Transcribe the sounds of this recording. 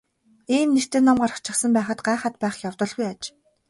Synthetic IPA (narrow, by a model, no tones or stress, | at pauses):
iːmner̥t̪ɘ̆nːɔmɢarə̥̆χt͡ɕʰɪ̆sə̆mpæːχə̆t̪̚ɢaːχat̪̚pæːχjawt̪ɞ̆ɮɣujat͡ɕ